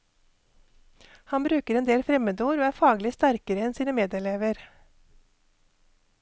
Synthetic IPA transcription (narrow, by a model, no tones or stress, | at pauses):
hɑnbɾʉːkəɾɛːnd̪eːlfɾɛməd̪uːɾoːæːfɑːɡlɪst̪æɾkəɾəɛnsiːnəmeːd̪ɛɭeːʋəɾ